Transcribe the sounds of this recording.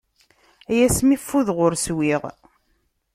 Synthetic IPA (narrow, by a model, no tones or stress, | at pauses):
æjæsmifːuðʁʊɾswiʁ